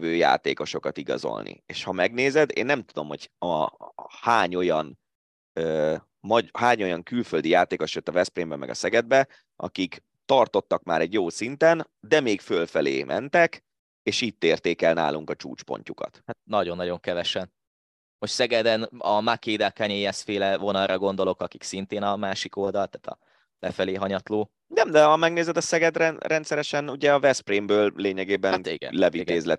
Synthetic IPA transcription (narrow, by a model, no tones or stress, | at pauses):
vøːja̰ːt̪eːko̞ʃo̞kɒt̪iɡɒ̰zo̰lnḭeːʃhɒmɛɡneːzɛd̪ḛːnːɛmt̪ud̪o̞mho̞ɟɒ | haːɲo̞jɒn | øː | mɒhaːɲo̞jɒŋkylføld̪ijaːt̪eːkoʃjøt̪ːɒvɛspreːmbɛmɛ̰ɡɒ̰sɛɡɛd̪̚bɛ | ʔɒ̰kik | t̪ɒrt̪o̞t̪ːɒkma̰ːɾɛɟjoːsint̪ɛn | d̪ɛmeːkfølfɛlḛːmʔɛ̰nt̪ɛk | eːʃiːt̪ːeːrt̪eːkɛlna̰ːlʔuŋkɒt͡ʃṵːt͡ʃpo̰ɲcukɒ̰t̪hat̪̚nɒɟo̞nːɒɟo̞ŋkɛvɛʃɛn | moʃt̪sɛɡɛd̪ɛnɒmakeːd̪ɛkɛɲeɛsfeːlɛvo̞nɒlrɒɡo̞nd̪o̞lo̞kɒki̥ksint̪eːnɒmaːʃiko̞ld̪ɒlt̪aːt̪ɒ̰ | lɛfɛleːɦɒɲɒt̪loː | nɛmd̪ɛɒmɛɡneːzɛd̪ɒsɛɡɛd̪ɾɛnrɛnt̪sɛɾɛʃɛnuɟɛɒvɛsprimbøːlleːɲɛɡeːbɛnḭɡɛ̰lɛviɡ̪eːzlɛt̪